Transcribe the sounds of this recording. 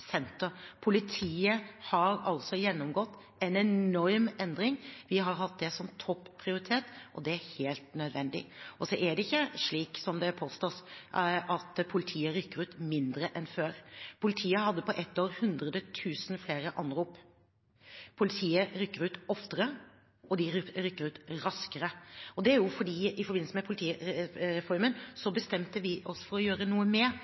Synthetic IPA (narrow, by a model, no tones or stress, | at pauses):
sɛnt̪əɾpʰʊlɪt̪ʰiːəhɑɾɑlsɔjɛnːɔmɡɔt̪ː | ɛnɛnɔɾmɛnd̪ɾɪŋʋɪɦɑɾhɑt̪̚d̪ɛsɔmt̪ʰɔpːʰɾɪʊɾɪt̪ʰeːt̪ʔɔd̪ɛæɾheːlt̪nœd̪ʋɛnd̪ɪ̰ʔɔsɔʔæɖɛɪçːəʂɭiːksɔmd̪ɛpʰoːst̪oːsʔɑt̪pʰʊlɪt̪ʰiːəɾʏkːəɾʉːt̪mɪnd̪ɾəʔɛnføːɾpʰʊlɪt̪ʰiːəhɑd̪ːəpɔʔɛt̪ːoːɾhʉnd̪ɾəd̪ət̪ʰʉːsn̩fleːɾəʔɑnɾuːp | pʰʊlɪt̪ʰiːəɾʏkːəɾʉːt̪ɔft̪əɾə | ɔd̪ɪɾʏkːəɾʉːt̪ɾɑskəɾəɔd̪ɛæɾjʊfɔɖiːɪfɔɾbɪnsəmɛpʰʊlɪt̪ʰiːɾɛfɔɾmənsɔbəst̪ɛmt̪əʋɪʔɔsfɔɾɔjøːɾənuːəmɛ